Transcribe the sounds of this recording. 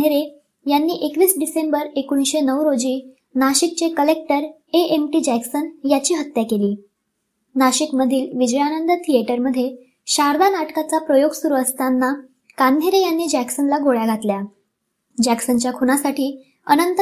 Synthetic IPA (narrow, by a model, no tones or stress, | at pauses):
eɾe | janːiːʔekʋiːsɖisembəɾekuñiɕenəwɾod͡ʑiː | naɕik̚t͡ɕekəlek̚ʈəɾ | eʔemʈiːd͡ʑæksənjat͡ɕiːɦət̪jakeliː | naɕikməd̪ʱiːlʋid͡ʑəjanənd̪ət̪ʰieʈəɾməd̪ʱːje | ɕaɾd̪anaʈkat͡sapɾəjoɡsuɾuəst̪anːa | kand̪ʱeɾejanːiːd͡ʑæksənlaɡʱoɭjaɡʱat̪lja | d͡ʑæksənt͡ɕjakʰonasaʈiː | ə̰nənt̪